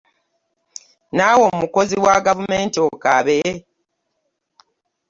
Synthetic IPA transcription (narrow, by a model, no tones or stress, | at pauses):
naːwomuko̞ziwaɡavumeːntiokaβe